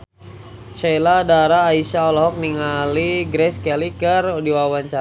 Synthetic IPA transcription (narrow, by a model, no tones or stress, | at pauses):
ʃɛjladaɾaːisaɔlɔɦɔk̚niŋaliɡɾɛskɛlikərdiwawaɲt͡ʃa